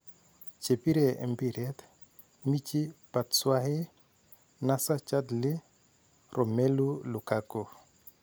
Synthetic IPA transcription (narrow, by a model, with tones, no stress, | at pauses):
t͡ʃe˨pi˦ɾɛ˨ɛ̰˨mbi˨ɾɛt̪ | mi˦t͡ʃi˦pa˨tswa˦hɛ˦ | na˦sa˦t͡ʃa˦d̪lɪ˦ | ɾɔ˨mɛ˦lu˦lu˨kakɔ˨